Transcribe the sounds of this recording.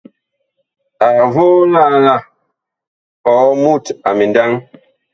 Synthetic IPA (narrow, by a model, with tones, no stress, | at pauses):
a˨vo˦la˦˨la˦˨ | ɔ˨˦mu˦˨ta˨mi˨nda˦ŋ